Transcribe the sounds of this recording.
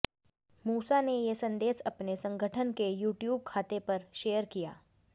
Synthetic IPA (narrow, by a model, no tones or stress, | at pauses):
muːsanejesɐ̃nd̪eːʃɐpnesɐ̃ŋɡʱəʈʰənkejuːʈjuːb̚kʰaːt̪epɐɾʃeːjəɾkija̰ː